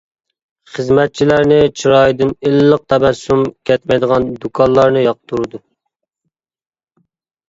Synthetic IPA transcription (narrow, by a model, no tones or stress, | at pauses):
χəzmɛt̪̚t͡ʃʰilæɾnɪt͡ʃʰiɾɑjd̪ɨnilːəq̚t̪ʰɛbɛsːumkʲʰɛt̪mɛjd̪əʁɑnd̪ukʰɑnlˠɑɾnɨjɑq̚t̪ʰuɾɨd̪u